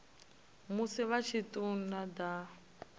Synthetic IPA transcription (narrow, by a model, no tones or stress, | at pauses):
musiβat͡ʃʰitʼunad̪a